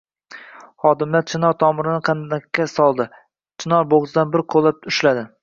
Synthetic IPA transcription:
hɒd̪ɪmlaɾt͡ʃʰɪnɒɾt̪ʰɒmɪɾɪnɪqʰɑnd̪akʲʰːasɒlˠd̪ɪ | t͡ʃʰɪnɒɾboʁzɨd̪anbɪɾqʰolˠap̚ʊʃlad̪ɪ

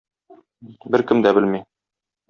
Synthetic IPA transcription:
bɘɾkɘmd̪æbɘlmi

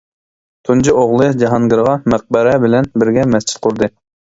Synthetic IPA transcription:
t̪ʰund͡ʒiʔoʁlˠɨd͡ʒɑɦɑŋɡʲɪɾʁɑməq̚bɨɾɛbɪlɛnbɪɾɡʲɛmɛst͡ʃʰi̥t̪̚qʰʊɾd̪ɨ

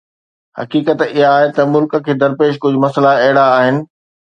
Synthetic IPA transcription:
hɐ̰kiːkət̪ɪɦaːɦet̪ɐmʊlkə̆kʰeːd̪ɐɾpeːʃ̬kʊd͡ʑʱʊmɐslaɐɦɪɽaːɦɪnɪ̆

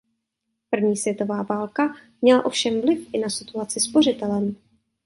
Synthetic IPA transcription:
pr̩vɲiːsvjɛt̪o̞vaːvaːlkamɲɛla̰ʔo̞fʃɛmvlɪfʔɪnasɪt̪uat͡sɪspo̞r̝ɪt̪ɛlɛm

